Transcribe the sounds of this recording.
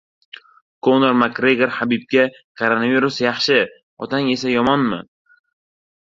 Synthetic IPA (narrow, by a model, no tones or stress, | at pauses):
kʰonoɾmakɾeɡʲeɾhabɪb̚kʲa | kʰoɾonaviɾusjɑχʃɪ | ɒt̪ʰaŋe̞sajɒmɒnmɪ̰